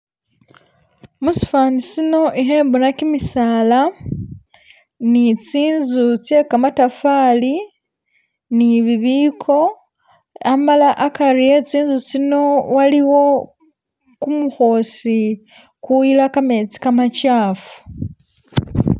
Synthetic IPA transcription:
musi̥faːnisino̞ʔiɦe̞ːmbonakimisaːla | nit͡siːnzut͡sje̞kamatafaːli | niβiβiːkʰo̞ | amalaʔakaɾije̞t͡siːnzut͡sino̞waliwo̞ | kumuxo̞si | kujilakame̞t͡si̥kamacaːfu̥

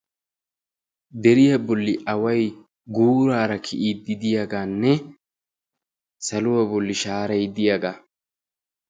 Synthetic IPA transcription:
d̪ɛɾɪjɐbɔlːɪʔɐwɐj | ɡuːɾaːɾɐkʰɪʔiːd̪ːɪd̪ɪjaɡaːnːɛ | sɐlʊwɐbɔlːɪʃaːɾɐjd̪ɪjaɡaː

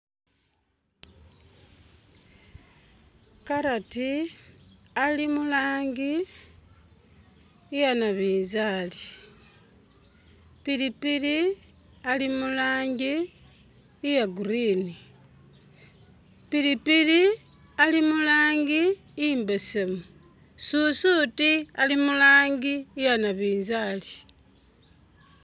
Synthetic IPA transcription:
kaɾati | alimulaːŋɡi | janaβiːnzali | pilipili | alimulaːŋɡiː | jaɡuɾiːni | piɾipili | alimulaːŋɡi | iːmbesamu | susutialimulaːŋɡiːjanaβiːnzali

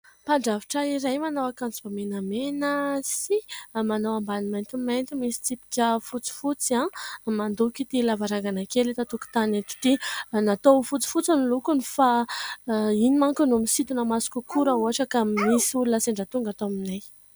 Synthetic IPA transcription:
paɳɖ͡ʐaviʈ͡ʂəiɾajmanowakant͡subamenamenəsimanowambanimajnt̪imajnt̪imisi̥t͡sipi̥kʲəfut͡si̥fut͡siamand̪ukit̪ilavaɾaŋɡanakelit̪at̪uku̥t̪aneʈ͡ʂu̥ʈ͡ʂinat̪ofut͡si̥fut͡sanilukunifa | inimaŋkunumisit̪unəmasu̥kukuɾauaʈ͡ʂəkamisiulunəseɳɖ͡ʐat̪uŋɡat̪ominaj

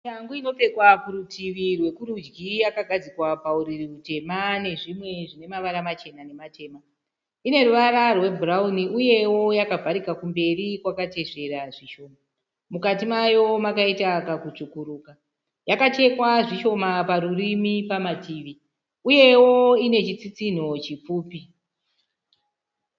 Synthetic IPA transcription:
jaŋɡuino̞pe̞kwakuɾutʰiʋirwe̞kuɾud͡ʒɡijakaɡʱad͡zikwapauɾiriute̞mane̞ʐimwe̞ʐine̞maʋaɾamat͡ʃe̞nane̞mate̞ːma | ine̞ɾuʋaɾarwe̞bʱurauniʔuje̞wo̞jakavʱaɾikakumbe̞rikwakat͡ʃe̞ʃe̞ɾaʐiʃo̞ːma | mukatimajo̞makaitakakut͡ʂukuɾuːka | jakat͡ʃe̞kwaʐiʃo̞mapaɾurimipamatiʋi | uje̞woo̞ine̞t͡ʃit͡sit͡sin̤o̞t͡ʃip͡fuːpi

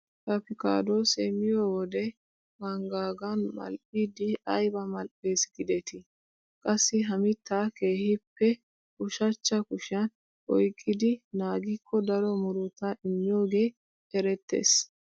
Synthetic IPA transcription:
kɐpɪka̰ːd̪o̞ːsɛmɪjoːwɔd̪ɛ | mɐŋɡaːɡɐnmɐ̰lpʼid̪ɪɐjbɐmɐlpʼːeːsɡɪd̪ɛt̪ɪ | kʼɐsːɪɦɐmɪt̪ːaːke̞ːhɪpːɛ | kʊʃɐt͡ʃːɐkʊʃɐn | ʔɔjkʼːɪd̪ɪnaːɡɪkʰːɔd̪ɐɾɔmʊɾʊt̪aʔɪmːɪjo̞ːɡe̞ː | ɛɾɛt̪ːḛːs

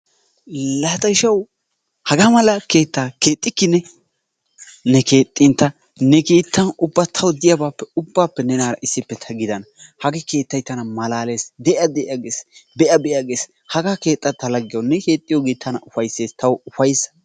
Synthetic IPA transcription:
lat̪ʼɐʃɐw | hɐɡaːmɐlɐke̞ːt̪ːaːke̞ːt̪ʼːɪkːɪnɛ | nɛke̞ːt̪ʼːɪnt̪ːɐ | nɛke̞ːt̪ːɐnʊbːat̪ʰɐwd̪ɪjɐbaːpːɛʊbːaːpːɛnɛnaːɾɐʔɪsːɪpːɛt̪ʰɐɡɪd̪ɐnɐhɐɡɛke̞ːt̪ːɐjt̪ːɐnɐmɐlaːle̞ːsd̪ɛʔɐd̪ɛʔaɡeːsbɛʔɐbɛʔjaɡeːs | hɐɡaːke̞ːt̪ʼːɐt̪ːɐlɐɡːɪjonɛke̞ːt̪ʼːɪjoɡeːt̪ʰːɐnɐʔʊfɐjsːe̞ːst̪ʰɐwʊfɐjs

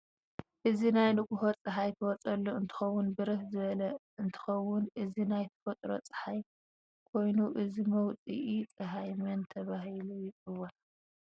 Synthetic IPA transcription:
ʔɨzinajlɨɡʼuhot͡sʼɨħajt̪ʰɐwɔt͡sʼɐlːuɨnt̪ʰɨ̥xɐwːʊnbɨɾɨhzɨβɐlɐ | ɨnt̪ʰɨ̥xɐwʊnʔɨzinajt̪ʰɐ̥fɐt̪ʼɾo̰t͡sʼɨ̥ħaj | kʰo̞jnuʔɨzimɐwt͡sʼḭʔit͡sʼɨɦajmɐnt̪ʰɐβaɦilujɨwona

